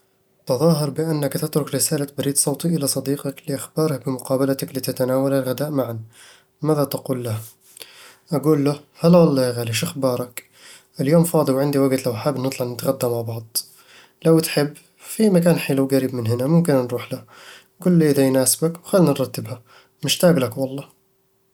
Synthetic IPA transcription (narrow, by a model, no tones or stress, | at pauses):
t̪ɑðˤɑːɦɑɾˤbɪʔanːakt̪ɪt̪ɾʊkɾɪsaːlat̪̚baɾiːd̪sˤɑwt̪ˤiʔɪlasˤɑd̪iːqɑklɪʔaxbɑːɾˤɑkbɪmʊqɑːbalat̪aklit̪ɪt̪anaːwalalɣad̪aːʔmaʕan | maːðat̪aquːlːah | ʔaɡuːlːahalːawɑlˤːɑːjɣaːliʃʔaxbɑːɾˤɑk | ʔɪljoːmfɑːd̪ˤəlwʕɪnd̪iwaɡt̪lawʔaħabːnɨt̪ˤlɑʕnɪt̪ɣad̪ːamaʕbɑʕd̪ˤ | lawt̪ħɪbː | fimakaːnħilawɡaɾiːbmɪnɦɪnamʊmkɪnnɾˤuːħla | ɡuːlːiʔɪðajnaːsɪ̥bakwxalːnnɾˤɑt̪ːɪbha | mɪʃt̪aːblakwɑlˤːɑː